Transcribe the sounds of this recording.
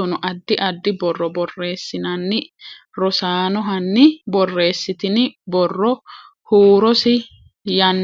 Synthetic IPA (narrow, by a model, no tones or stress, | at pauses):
ɔnʊʔɐd̪ːɪʔɐd̪ːɪbɔrːɔbɔrːe̞ːsːɪnɐnːɪ | ɾɔsaːnɔɦɐnːɪbɔrːe̞ːsːɪt̪ɪnɪbɔrːɔ | huːɾɔsɪ | jɐnː